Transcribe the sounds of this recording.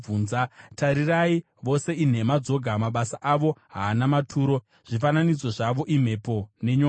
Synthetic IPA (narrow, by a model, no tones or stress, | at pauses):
uːnzataɾirai | ʋo̞se̞in̤e̞mad͡zo̞ɡʱamaɓasaʔaʋo̞ɦaːnamatʰuːɾo̞ | ʐ̥ifananid͡zo̞ʐaʋo̞ʔim̤e̞po̞ne̞ɲo